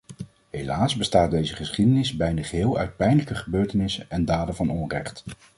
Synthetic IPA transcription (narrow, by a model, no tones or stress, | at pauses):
ɦelaːzbəstaːt̚dejzəχəsχidənɪzbɛjndəχəɦɪːlˠœ̰ɥt̚pɛjndələkəχəbøːɹtənɪsənɛndaːdəvɑnɔnrɛχt